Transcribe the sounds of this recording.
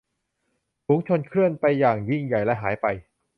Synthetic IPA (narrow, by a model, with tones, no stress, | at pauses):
fuː˨˩˦ŋt͡ɕʰo˧nkʰɯ˥˩ənpa˧jːaː˨˩ŋji˥˩ŋja˨˩jlɛ˦˥ʔɦaː˩˦jpa˧j